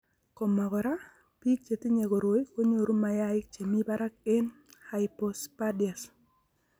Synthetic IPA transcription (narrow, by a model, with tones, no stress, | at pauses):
kɔ˨ma˨kɔ˨ɾa˦ | pi˦t͡ʃe˨ti˦ɲe˨ko˨ɾo˨˦i˦ko˦ɲo˨ɾu˦ma˨ja˦ɪ˦k̚t͡ʃe˨mi˦ba˦ɾa˦k̚e˦n | ha˨ɪpo˨spa˦dja˨s